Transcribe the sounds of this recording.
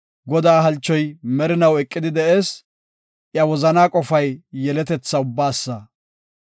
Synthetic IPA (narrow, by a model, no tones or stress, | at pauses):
ɡɔd̪aːɦɐlt͡ʃːɔjmɛɾɪnɐwɛkʼːɪd̪ɪd̪ɛʔeːs | ʔjɐwɔzɐnaːkʼɔfɐjːɛlɛt̪ɛt͡sːɐʊbːaːsːɐ